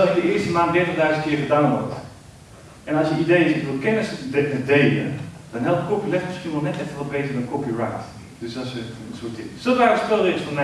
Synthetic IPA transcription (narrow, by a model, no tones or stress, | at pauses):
ɛlˠɪndəɪːɹstəmaːntdɛtədœɥzənt̚kɪːɹχədaːnʋɔɹt | ʔɛnɑlˠsjəidejɪsɪʋɪlˠkɛnəsədejlə̰d̥ɑnɦɛlˠpt̚kopilɛftmɪsχiənʋɔlˠnɛtɛfəʋɔt̚bejtəɹmɛtkopirajt | d̥øsɑsəənsʊːt̚ɪŋsolˠʋaːəstolˠdəɪsfɔn